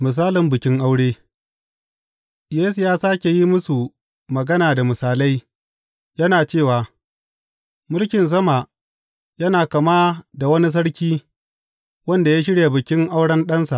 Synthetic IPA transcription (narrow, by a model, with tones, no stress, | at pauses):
mɪ˨s̬aː˦lɪ˨mbɪ˨kʲɪ˦ŋʔa˦wɽeː˦ | jeː˦su˨jaː˦saː˦kʲe˨ji˦mʊ˦su˨ | mɐ˨ɡɐ˦naː˨da˨mɪ˨saː˨la˦j | jɐ˦naː˨t͡ʃeː˦˨waː˨ | mʊ˦lkʲɪ˨ns̬ɐ˦ma˨ | jɐ˦naː˨kɐ˨ma˦da˨wɐ˦ni˦s̬ɐ˦ɽkʲiː˦ | wɐ˦nda˨ja˦ʃ̬ɪ˦ɽja˨bɪ˨kʲɪ˦ŋʔa˦wɽɐ˦nɗɐ˦nsa˨ʔ